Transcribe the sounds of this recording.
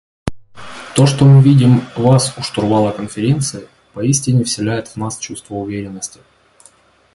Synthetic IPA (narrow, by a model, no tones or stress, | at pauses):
t̪o̞ʂt̪omɨvʲidʲɪmvasʊʂt̪ʊrvalˠəkənfʲɪɾʲe̞nt̪sɨɪ | pɐisʲtʲɪnʲɪfsʲɪlʲæjɪt̪vnast͡ɕust̪vəʊvʲeɾʲɪnːəsʲtʲɪ̥